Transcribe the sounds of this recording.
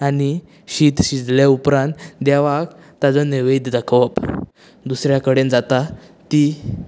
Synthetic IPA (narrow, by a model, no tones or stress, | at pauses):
ani | ɕit̪ɕid͡zljaupɾãnt̪d̪jaʋak | t̪ad͡zɔneʋejd̪d̪akʰʋəp | d̪usɾjakəɽend͡zat̪a | t̪i